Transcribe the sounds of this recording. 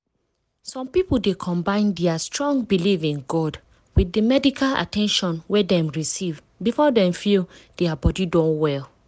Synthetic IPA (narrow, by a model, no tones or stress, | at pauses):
sɔ̃mpipol̩dekʰɔ̃mbãɪ̃ndɛastɹɔ̃ŋbilivĩnɡɔd | wiθəmɛdikʰala̰tɛ̃nʃɔ̃nwɛdɛ̃mɹisiv | bifɔdɛ̃ɱfild̥ɛabɔdidɔ̃nwɛl